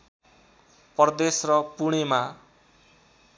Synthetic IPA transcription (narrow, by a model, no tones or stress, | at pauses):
pʌrd̪esrʌpuɽ̃ema